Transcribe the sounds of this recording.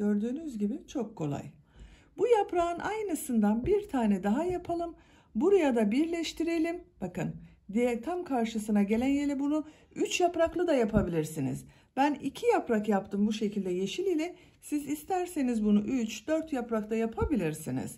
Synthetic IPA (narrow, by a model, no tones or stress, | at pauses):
ɟøɾd̪yːnyzɟibit͡ʃʰo̞kʰːo̞lˠa̰j | bujapɾaɯnʔajnɯsɯnd̪anbiɾt̪ʰaːnɛd̪aɦajapʰalˠɯm | buɾajad̪abiɾlʲɛʃt̪ʰiɾe̞lʲimb̥akɯ̰n | d̪ijɛt̪ʰamkʰaɾʃɯsɯnaɟe̞lʲænjelʲɛbunu | yt͡ʃjapɾaklˠɯd̪ajapʰabilʲiɾsinḭz̥ | b̥ænicʰijapɾakjapt̪ʰɯmbuʃe̞cʰilʲd̪ɛje̞ʃilʲilʲɛ | sizist̪ʰæɾse̞nizbunuʔyt͡ʃd̪øɾt̪japɾakt̪ʰajapʰabilʲiɾsinḭz̥